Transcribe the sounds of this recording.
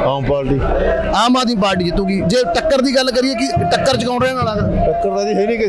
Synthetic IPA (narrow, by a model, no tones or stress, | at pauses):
aːmpaːlʈiː | aːmaːd̪ĩːp̬aːɾʈiːkɪt̪ːũːɡiːd͡ʒeːʈəkːəɾd̪iːɡəlːkəɾieːkɪʈəkːəɾt͡ʃəkãʊ̃nɾəẽːnalãːd̪aːʈəkːəɾd̪ad̪iːɦəinĩːkɪ